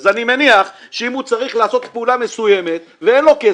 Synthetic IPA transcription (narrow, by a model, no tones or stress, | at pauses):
zanimeniaχʃeimut͡saʁiχlaːso̞t̪peulame̞suje̞me̞t̪ | veenlo̞ke